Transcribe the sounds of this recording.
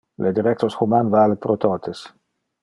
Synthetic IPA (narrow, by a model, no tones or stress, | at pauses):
lʔed̪iɾɛk̚t̪osxumanvaːlepɾot̪ot̪ʰes